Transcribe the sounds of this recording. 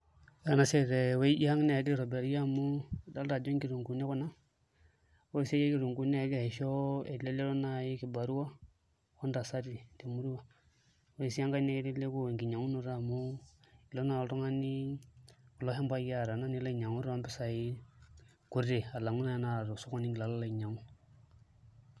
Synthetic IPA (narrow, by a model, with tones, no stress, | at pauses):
ja˨na˨se˦ɾe˨we˦i˦i˦ha˦ŋne˦˨ɡi˦ɾo˨be˨ɾja˦mu˦da˦lda˨d͡ʒo˦ŋɡi˦ɾu˨ŋku˨ne˦ku˦na˦ | we˦i˨se˦je˦ki˦ɾu˨ŋɡu˦n˦˨˦ɡhe˨ʃo˦e˨dle˦le˦lo˦na˦˨ji˦ki˨ba˨ɾu˦wa˦ | wo˦nda˨sa˦di˨de˨mu˦ɾi˦wa˦ | wo˦i˨si˦ja˦ŋɡa˦ne˦le˦le˦ku˦e˨ŋ˨ɡi˨ɲa˨ŋu˦no˨ɾa˦˨mu˦i˨lo˦na˨lto˦ŋa˦ni˦ | ku˨lo˦ɦe˦mba˦ja˦˨ɾa˨na˦ni˦la˦i˨ɲa˨ŋu˦ɾwa˦mbi˦sa˨ji˦ | ku˦ɾde˨a˨la˨ŋu˦na˦ja˦na˨ɾo˨su˦ko˦ni˦ŋɡi˨la˨la˦la˨i˨ɲa˨ŋu˦